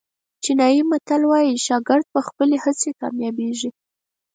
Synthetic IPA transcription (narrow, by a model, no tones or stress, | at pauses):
t͡ʃinɑjimat̪alwɑjiʃɑɡɪɾd̪̚pəxpəlehat͡sekɑ̰mjɑbeʒi